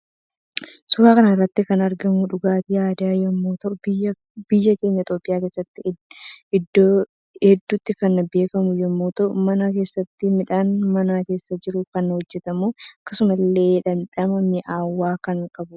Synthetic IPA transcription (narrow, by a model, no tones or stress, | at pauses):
sʊɾaːkɐnɐɪrːɐt̪ːɪkɐnɐɾɡɐmuᶑʊɡaːt̪ɪjaːd̪aːjɛmːoːt̪ɐʔʊ | b̥ɪjːɐke̞ːɲːɐɪt̪ʼo̞ːpʼːɪjaːke̞ːsːɐt̪ːɪɪd̪ː | ɛd̪ːʊt̪ːɪkɐnbe̞ːkɐmʊjɛmːoːt̪ɐʔʊmɐnake̞ːsːɐt̪ːɪmɪᶑaːnmɐnaːke̞ːsːɐd͡ʒɪɾʊkɐnhɔd͡ʒːɛt̪ɐmoːɐkːɐsʊmɐlːe̞ːᶑɐnᶑɐmɐmɪʔaːwːaːkɐŋkʼɐbʊ